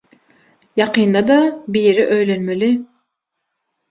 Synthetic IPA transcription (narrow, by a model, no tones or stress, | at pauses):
jɑqʰɯːnd̪ɑd̪ɑbijɾiʔøjlenmeli